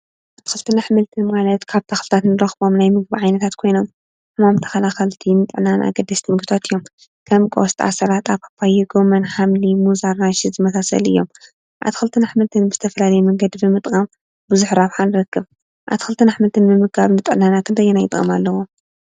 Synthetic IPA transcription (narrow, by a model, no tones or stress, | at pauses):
ʔaʔaβt̪ʰixɨlt̪ʰɨnaħɨmɨlt̪ʰɨnmalɐt̪kʰaβt̪ʰɐxlɨt̪ʰat̪nɨɾɐxbo̞mnajmɨɡ̚biʕajnɐt̪ʰat̪kʰo̞jno̞m | ħɨmamt̪ʰɐ̥xɐlaxɐlt̪ʰinɨt̪ʼɨʕnanʔa̰ɡɐd̪ɐst̪ʰimɨɡɨt̪ʰat̪ɨjːo̞m | kʰɐmkʼost̪ʰʼa̰sɐɾat̪ʼaβkʰḁpʰajiɡomɐnħamlimuzaɾnaʃizɨmɐsasɐ̰lɨ̰jːo̞m | ʔa̰βt̪ʰixɨlt̪ʰɨnaħɨmɨlt̪ʰɨnbɨz̥ɨ̥t̪ʰɐfɐlalɐjumɐŋɡɐd̪ibɨmɨt̪ʼkʼɐm | bɨzʊħɾaβħanɨɾɐkːɨβ | ʔa̰t̪ʰxɨlt̪ʰɨnaħmɨlt̪ʰɨnbɨmɨɡaβnɨt̪ʼɨʕnanakʰɨnt̪ʰɐjːɛnajɪt̪ʼɣʼɐ̰malːɐwo